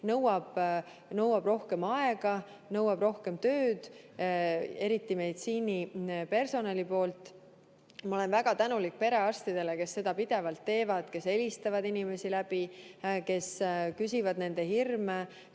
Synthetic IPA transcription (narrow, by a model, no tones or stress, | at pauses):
nɤwɑb̥ | nɤwɑb̥ro̞hke̞mɑe̞ɡ̥ɑ | nɤwɑb̥ro̞hke̞mt̪ø̞ːd̪̥ | e̞ɾit̪ːime̞jd̪̥siːnipe̞rso̞nɑlʲipo̞ːlt̪ˑ | mɑo̞le̞nvæɡ̥ɑt̪ænulik̚pe̞ɾe̞ɑst̪id̪̥e̞leke̞sːe̞d̪̥ɑpid̪̥e̞vɑlt̪ːe̞ːvɑd̪ke̞se̞lʲist̪ɑvɑd̪inʲime̞silæb̥ike̞skysivɑd̪ne̞nd̪̥e̞hirme